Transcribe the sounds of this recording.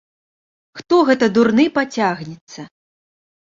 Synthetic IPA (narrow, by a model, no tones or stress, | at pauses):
xt̪ɔɣɛt̪ɐd̪urnɨpat͡sʲaɣnʲɛt̪sːɐ